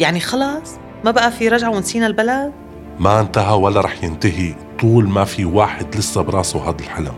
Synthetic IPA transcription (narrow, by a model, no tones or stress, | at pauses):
jaʕnixɑlɑːsˤ | mabaʔafiɾˤɑʒʕawɪnsiːnalbalad̪̚ | maʔɪnt̪aɦawalːaɾˤɑːħjɪnt̪aɦit̪ˤuːlmafiwaːħɪd̪lɪsːabɾˤɑːsawɦaːd̪alħala̰m